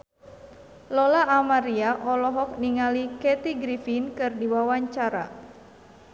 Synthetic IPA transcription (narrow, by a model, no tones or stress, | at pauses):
lɔlaʔamaɾiaʔɔlɔɦɔk̚niŋalikɛt̪iɡɾifinkɨrdiwawaɲt͡ʃaɾa̰